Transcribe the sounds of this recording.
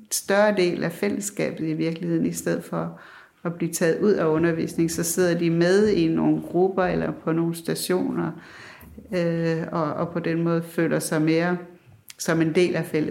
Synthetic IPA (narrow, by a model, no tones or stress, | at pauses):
sd̥ɶɐd̥e̝̰ːlæfel̰əsːɡ̥ɛ̰ːb̥ð̩ˠiʋiɐɡ̥lihe̝ð̰ˠn̩isd̥eð̞̰ˠfɒ̽ː | b̥liːt͡sʰɛ̰ːð̩ˠuð̞̰ˠæɔ̽nɐʋḭːsne̝ŋsɒ̽se̝ð̞̰ˠɐd̥imeð̞ˠino̝ːn̩ɡ̥ʁub̥ɐelɐpʰɒ̽no̝ːn̩sd̥æɕo̝̰ːnɐ | øɒ̽ːpʰɒ̽d̥enmɔːð̞̩ˠfø̰ːlʔɐsɑ̈ɪme̝ːɐ | sɒ̽me̝nde̝̰ːlæfel̰